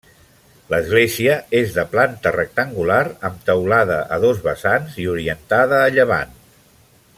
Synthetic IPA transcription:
ləzɣleziəezðəplant̪ərək̚t̪əŋɡulaɾəmt̪əwlaðəʔəðozβəsanziuɾiənt̪aðəːʎəβa̰n

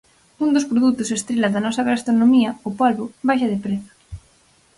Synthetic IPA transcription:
und̪ospɾoðut̪ʊsest̪ɾelɐðɐnɔsɐɣast̪ɾonomiɐopolβoβajʃɐðɪpɾeθɐ̥

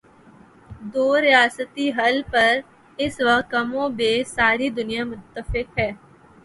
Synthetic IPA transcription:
d̪oːɾɪjaːsət̪iɦɐlpəɾ | ɪsʋəkt̪̚kəmõbeːsaːɾid̪ʊnijamʊt̪ːəfɪkɦɛː

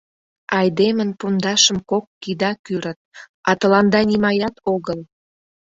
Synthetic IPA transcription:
ɑjd̪emənpund̪ɑʃə̆mkokːid̪ɑkyɾət̪̚ | ɑt̪əlɑnd̪ɑnimɑjɑt̪oɣəl

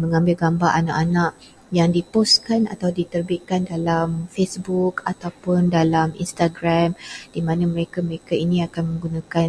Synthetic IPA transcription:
mə̃ŋãmbɪlɡambaʔana̰ʔanãʔ | jaŋdipost̪kana̰t̪awdit̪ərbiʔ̪̚kandalamfesbukat̪awpʊndalamḭnst̪aɡɾamd̥imãnãməɾekaməɾekainĩakanmə̃ŋɡunãkan

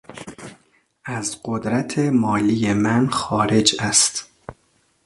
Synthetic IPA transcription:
æzɢod̪ɾæt̪ʰemɒːliːjemænxɒːɾe̞d͡ʒæst̪

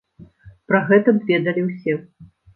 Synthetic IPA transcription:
pɾɐɣɛt̪ɐbvʲɛd̪ɐlʲiwsʲɛ

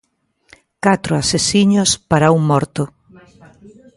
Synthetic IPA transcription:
kat̪ɾʊasesiɲʊspaɾauŋmɔɾt̪ʊ

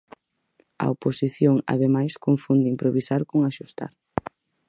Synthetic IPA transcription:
ɐ̰oposiθjoŋa̰ðemajskoɱfund̪ɪimpɾoβisaɾkoŋaʃust̪a̰ɾ

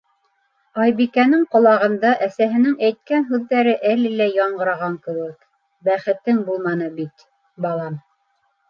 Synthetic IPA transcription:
ɑjbikænɘŋqŏlˠɑʁɤ̆nd̪ɑʔæsæɦɘ̆nɘŋæjt̪̚kænɦʉðːæɾɘʔælɘlæjɑɴɢɤ̆ɾɑʁɑŋkɘ̆wɘk | bæχɘ̆t̪ːɘŋbulˠmɑnɤbit̪ | bɑlˠɑm

